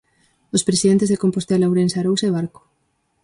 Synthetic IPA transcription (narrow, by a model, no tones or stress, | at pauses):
ospɾesiðent̪̬ezðekompost̪elawɾensaɾowseβ̞aɾko̥